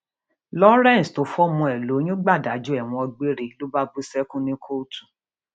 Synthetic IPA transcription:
lɔ˦ɾɛ̃˦˨sto˨˦fɔ˦mɔ̃˧ɛ˨lo˨˦j̃ũ˦ɡ͡ba˦˨da˨˦d͡ʒu˦ɛ˦˨w̃ɔ̃˧ɔ˧ɡ͡be˦ɾe˧lo˦ba˦bu˦sɛ˦kũ˦nĩ˦kʰo˦tu̥˨

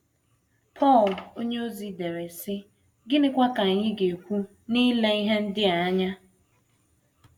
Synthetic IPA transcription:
pʰɔ˦˨lo˦ɲe˦o˦zi˨de˨ɾe˨sɪ˦ | ɡɪ˦nɪ˦kʷa˦ka˨ɲɪ˦ɡe˨kʷu˦ | ni˦le˦i˦ɦe˦n̩˦dɪ˦a˨˦ɲa˦

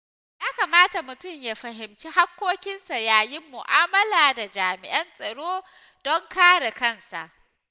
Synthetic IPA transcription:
jaː˦kaː˨maː˦ta˨mʊ˨tʊ˦˨mjaː˦ɸɐ˨ɦɪ˨mt͡ʃi˦ɦa˦kʷːoː˦kʲɪ˦nsa˨jaː˨jɪ˦mːʊ˨ʔaː˦mɐ˦laː˨da˨d͡ʒaː˨mɪ˨ʔɐ˦nsʼɐ˨ɽoː˦ | d̥ɔ˦ŋkaː˦ɽe˨kɐ˦˨nsa̰˨ʔ

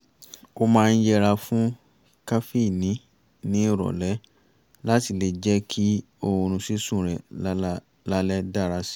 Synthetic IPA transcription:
o˦mãː˦˧n̩˦jɛ˦ɾa˧fũ˦ | ka˦fi˦˨nĩ˨˦ | nĩ˦˨ɾɔ̰˨lɛ˨˦ | la˦ti˨le˨d͡ʒɛ˦kʰi˦ | o˧ɾ̃ũ˧si˦sũ˦˨ɾɛ̰˨˦ | la˦lɛ˦da˦˨ɾa˧˦si̥˦

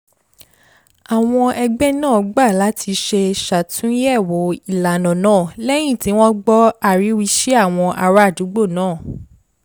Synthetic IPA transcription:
a˨w̃ɔ̃˧ʔɛ˧ɡ͡bɛ˦nãː˦˨ɡ͡ba˦˨la˨˦tʰi˧ʃe˧ʃa˨tʰũ˦jɛ˦˨wo˨˦i˦˨la˨nɔ̃˨nãː˦˨lɛ˦j̃ĩ˦˨ti˨˦w̃ɔ̃˦ɡ͡bɔ˦a˨ɾi˨˦wi˧ʃe˦a˦˨w̃ɔ̃˧ʔa˧ɾa˦˨du˨˦ɡ͡bo˦˨nãː˦˨

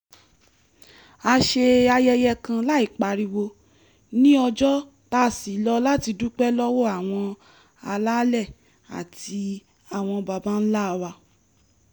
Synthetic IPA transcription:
a˧ʃe˧a˧jɛ˧jɛ˧kã˧la˦i˦˨k͡pa˨ɾi˧wo˧ | nĩ˦ɔ˧d͡ʒɔ˦ | ta˦˨si˨˦lɔ˦la˦ti˧du˦k͡pɛ˦lɔ˦wɔ˦a˨w̃ɔ̃˧ | a˧la˦lɛ˦˨ | a̰˨ti˧ | a˦˨w̃ɔ̃˧ba˧ba˦n̩˦la˦˧wa˧

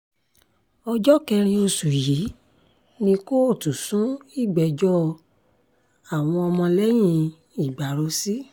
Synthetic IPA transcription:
ɔ˧d͡ʒɔ˦kɛ˧ɾ̃ĩ˧o˧su˨ji˨˦ | nĩ˧ko˦o˦˨tu˨sũ˨˦i˦˨ɡ͡bɛ˨d͡ʒɔ˦˧ | a˦˨w̃ɔ̃˧ɔ˧mɔ̃˧lɛ˦j̃ĩ˧ | i˨ɡ͡ba˨ɾo˨˦si˦

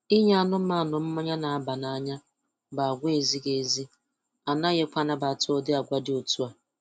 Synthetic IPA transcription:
i˦ɲ˦a˨nʊ˦m̩˦ma˦˨nʊ˨m̩˦ma˦ɲa˦na˨a˦ba˨na˦ɲa˦ | ba˨a˨ɡʷe˨zi˦ɡe˨zi˦ | a˨na˦ɣe˦kʷa˦na˦ba˨tʊ˦ɔ˦dɪ˦a˨ɡʷa˦dɪ˨˦o˨tu˦a˨

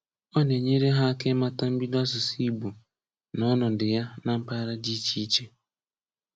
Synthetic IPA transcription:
ɔ˦ne˨ɲe˦ɾe˦ɦa˦ke˦ma˦ta˦m̩˦bi˦dɔ˦sʊ˨si˦bu˨ | nɔ˦nʊ˨dɪ˨ja˦na˦m̩˦pa˦ɾa˦di˦t͡ʃi˦t͡ʃe˦

